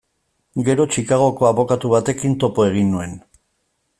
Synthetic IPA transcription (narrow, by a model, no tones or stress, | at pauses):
ɡe̞ɾo̞t͡ʃikaɣ̞o̞ko̞aβo̞kat̪uβat̪e̞kint̪o̞po̞e̞ɣ̞inːue̞n